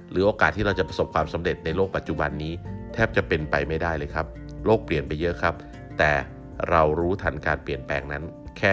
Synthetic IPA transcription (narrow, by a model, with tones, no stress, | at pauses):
ɾɯː˩˦ʔoː˧kaː˨˩t̪ʰːiː˥˩ɾa˧wt͡ɕa˨˩pɾa˧so˨˩p̚kʰwaː˧msa˩˦mɾe˨˩t̪̚na˧jlo˥˩k̚pa˨˩t̪̚t͡ɕu˨˩ba˧nːiː˦˥t̪ʰɛː˥˩p̚t͡ɕa˨˩pe˧npa˧jma˥˩jdaː˥˩jlɤː˧jkʰa˦˥p̚ | loː˥˩k̚pli˨˩ənpa˧jːɤ˦˥kʰɾa˦˥p̚ | t̪ɛː˨˩ | ɾa˧wɾuː˦˥t̪ʰa˧nkaː˧npli˨˩ənpɛː˧ŋna˦˥nkʰɛː˥˩